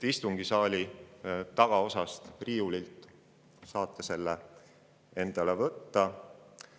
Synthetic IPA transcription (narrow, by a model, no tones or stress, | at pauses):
ist̪uŋɡ̥isɑːlʲit̪ɑɡ̥ɑo̞sɑst̪riːulilt̪ˑ | sɑːt̪ˑːe̞se̞lːe | e̞nd̪̥ɑlevɤt̪ːɑ